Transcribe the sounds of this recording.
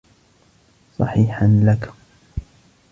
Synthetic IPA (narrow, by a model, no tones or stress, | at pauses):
sˤɑ̰ħiːħanlak